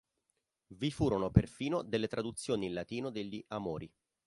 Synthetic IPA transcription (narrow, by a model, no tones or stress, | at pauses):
vifuːɾonoperfiːnod̪elːet̪ɾad̪ut̪sːjoːnilat̪iːnod̪eʎːiʔamoːɾi